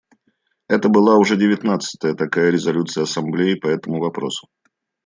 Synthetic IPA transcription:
ɛt̪əbɨlˠaʊʐɛdʲɪvʲɪt̪nat̪sɨ̥t̪əjət̪ɐkajəɾʲɪzɐlʲut̪sɨjəɐsɐmblʲejɪpɐɛt̪əmʊvɐpɾo̞sʊ̥

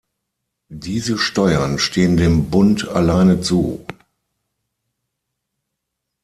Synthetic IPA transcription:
diːzəʃtɔʏɐnʃtʰeːəndeːmbʊnta̰laɪnət͡suː

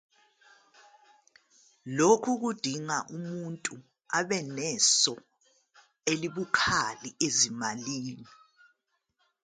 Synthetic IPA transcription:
lokʰuɣud̥ʱiŋaʔumuntʼu | aβɛnɛsɔ | eliβukʰaliezimaliːni

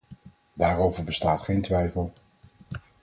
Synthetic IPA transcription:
daːrowvəɹbəstaːtχejntʋɛjfəlˠ

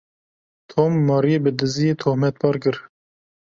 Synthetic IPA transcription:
t̪ʰoːmːɑːɾijebɨd̪ɨzijeːt̪ʰoːhmɛt̪̚pʰɑːɾkɨɾ

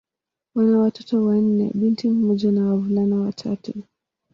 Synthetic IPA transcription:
wanawatɔtɔwan̩nːɛ̰ɓintim̩mɔʄanawavulanawatʰatu

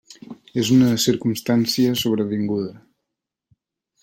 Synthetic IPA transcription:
ezunəsiɾkumst̪ansiəsoβɾəβiŋɡuðə

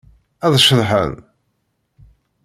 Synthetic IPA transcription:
æðˤʃəðˤħə̰n

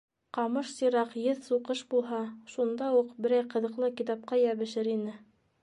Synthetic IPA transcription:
qɑmɤʃsɤɾɑqjɘðsuqɤʃbulˠɦɑʃund̪ɑuqbɘ̆ɾæjqɤ̆ðɤ̆qlˠɤkit̪ɑp̚qɑjæβɘ̆ʃɘɾinɘ

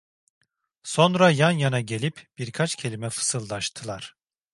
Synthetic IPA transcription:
so̞nɾajanjanaɟe̞lʲipb̥iɾkʰat͡ʃcʰe̞lʲimɛfɯ̥sɯlˠd̪aʃt̪ʰɯlˠaɾ̥

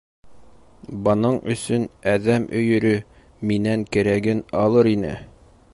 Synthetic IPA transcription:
bɤ̆nɤɴɵ̆sɵnæðæmʔɵ̆jɵ̆ɾɵ | minæŋkɘ̆ɾæɡɘnɒlˠɤɾinɘ̰

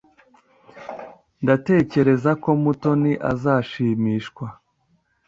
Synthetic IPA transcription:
ndate̞ːce̞ɾe̞zako̞muto̞niʔa̰zaːʃiːmiːʃkwa

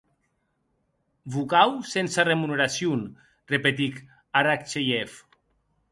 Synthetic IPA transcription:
bukawsensaremuneɾasjun | repet̪ik | aɾak̚t͡ʃejɛf

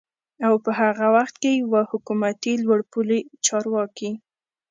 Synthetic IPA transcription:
awpəɦaɣawaxt̪kejwahʊkumat̪ilwaɽpulet͡ʃɑɾwɑki

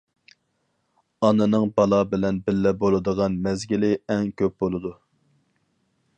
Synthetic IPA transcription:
ɑnɨnɨŋbɑlˠɑbɪlɛnbɪlːɛbolˠɨd̪əʁɑnmɛzɡʲilɪɛŋkʲʰøp̚bolˠɨd̪u

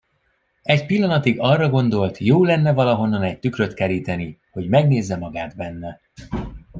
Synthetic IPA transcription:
ɛcpilːɒnɒt̪iɡɒrːɒɡo̞nd̪o̞lt̪joːlɛnːɛvɒlɒɦo̞nːɒnɛc̚t̪ykrø̞t̪kɛɾiːt̪ɛniho̞ɟmɛɡneːzːɛmɒɡaːd̪bɛnːɛ

